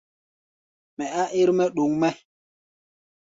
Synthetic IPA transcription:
mɛ˨a˦ʔi˦ɾmɛ˦ɗu˨ŋmɛ˦

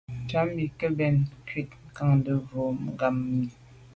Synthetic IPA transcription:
t͡ʃa˦mbi˨kə˦bɛ˨nkɥi˦t̚ŋ̩˨ka˦ŋn˦də˦vo˨˦˨ɡa˦mːi˨

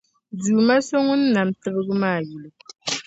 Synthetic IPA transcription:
du˨ma˦so˦ŋu˦n̩˦na˨m˨tɨ˦bɨ˦ɣɨ˦maː˦˨ji˨lu˨

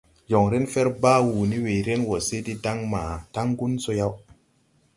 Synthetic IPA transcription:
jo˨ŋɾe˦nfɛ˦ɾbaː˦wu˨ni˦we˨ɾe˦nwo˨se˦ti˦da˦ŋmaː˨ta˦ŋɡu˦nso˧ja˦w

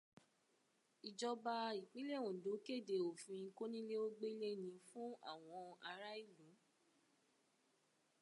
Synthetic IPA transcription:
i˨d͡ʒɔ˧ba˧i˨k͡pi˨˦le˦˨ũ˨do˨˦ke˦˨de˨o˨fĩ˧ĩ˧ko˦nĩ˦le˦o˦ɡ͡be˦le˦nĩ˧˦fũ˦a̰˦˨w̃ɔ̃˧a˧ɾa˦i˦˨lũ˨˦

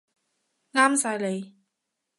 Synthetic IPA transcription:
ŋaː˥msaː˧jle˨˧j

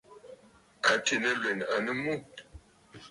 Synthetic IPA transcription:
a˨ti˨nə˦lwe˨n˨a˨nə˦mu˦˨

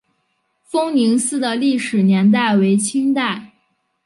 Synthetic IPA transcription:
fɤ˥ŋni˧˥ŋsɹ̩˥˩d̪ə˨li˥˩ʂɻ̩˨˩njɛ˧˥nt̪̬a˥˩ɪwe˧˥ɪt͡ɕʰi˥ŋt̪̬a˥˩ɪ

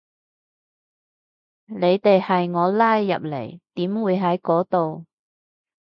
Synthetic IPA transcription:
ne˨˧jt̪e˨jhɐ˨jŋɔː˨˧laː˥jːɐ̰˨p̚lḛ˨˩jt̪iː˨˥mwuː˨˧jɦɐ˨˥jkɔː˨˥t̪o˨w

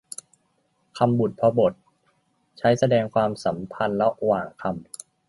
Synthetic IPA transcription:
kʰa˧mbu˨˩t̪̚pʰɔ˧bo˨˩t̪̚ | t͡ɕʰa˦˥jsa˧dɛː˧ŋkʰwaː˧msa˩˦mpʰa˧nlɛ˦˥ʔwaː˨˩ŋkʰa˧m

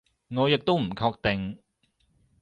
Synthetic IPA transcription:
ŋɔː˨˧jɪ˨k̚t̪o˥wm̩˨˩kʰɔː˧k̚t̪ɛ˨ŋ

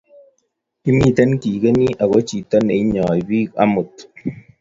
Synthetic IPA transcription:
i˦mi˦˨te˦nki˨ke˦ni˦ʔa˨ɣo˦t͡ʃi˨tɔ˦ne˨i˦ɲɔ˨i˨bi˦ka̰˦mʊ˨t

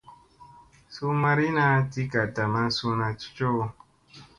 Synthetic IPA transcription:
su˦ma˧ɾi˦na˦ti˦ka˨ta˨mã˦su˧˦nã˧t͡ʃu̥˦t͡ʃo˦˧

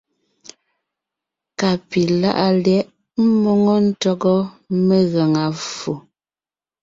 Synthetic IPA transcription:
ka˨pi˨la̰˦ʔa˨ljɛ˦ʔ | m̩˦mɔ˦ŋɔ˦n̩˦tɔ˦ɡɔ˦me˦ɣa˨ŋa˨fu˨

